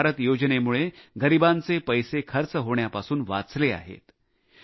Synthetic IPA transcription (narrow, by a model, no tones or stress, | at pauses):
ɾət̪jod͡ʑnemuɭeɡəɾibãnt͡sepəjsekʰəɾt͡səɦoɳjapasuːnʋa̰t͡slea̰ɦḛt̪